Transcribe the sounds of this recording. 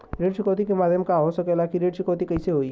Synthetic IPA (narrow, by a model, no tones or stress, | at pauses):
ɾeːɖʃɪkoːt̪ikemaːd̪ʱjəmkaɦosɐkelaːkiɾeːɖʃɪkoːt̪ikɐiseɦoːi